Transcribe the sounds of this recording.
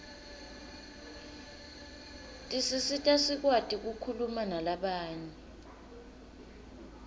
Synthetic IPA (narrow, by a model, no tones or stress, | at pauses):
tʼisisitʼasik̬watʼik̬ukʰulumanalaɓaːɲɛ